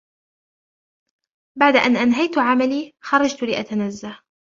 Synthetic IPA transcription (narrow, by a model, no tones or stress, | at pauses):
baʕd̪aʔanʔanɦajt̪ʕamaliːxɑɾˤɑd͡ʒt̪lɪʔat̪anazːa